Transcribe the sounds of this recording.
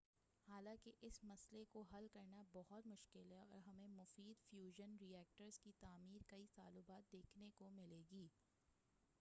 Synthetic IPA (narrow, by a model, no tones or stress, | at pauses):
haːlãːkeʔɪsmɐslekoɦɐlkɐɾnabɔɦʊt̪mʊʃkɪlɦɛɔ̰ːɾɦɐmẽmʊfiːd̪fjuːʒənɾiɛːk̚ʈəɾz̥kit̪aːmiːɾkɐit̪aːlʊbaːt̪̚d̪eːkʰnekomɪleːɡiː